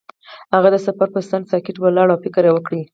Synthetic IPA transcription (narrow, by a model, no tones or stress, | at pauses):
haɣad̪əsafaɾpəsansɑkɪʈwəlɑɽawfɪkɾewəkɽi